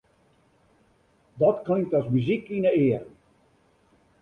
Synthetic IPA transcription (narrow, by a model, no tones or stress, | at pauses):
dɔtklɪŋk̚tɔsmyzikinəɪərən